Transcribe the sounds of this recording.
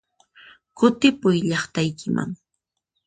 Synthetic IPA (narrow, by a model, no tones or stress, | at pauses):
kʊt̪ɪpʊjʎɑχt̪ajkɪma̰ŋ